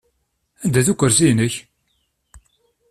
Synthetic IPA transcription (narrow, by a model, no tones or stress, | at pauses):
ænd̪æθukʷːəɾsinəç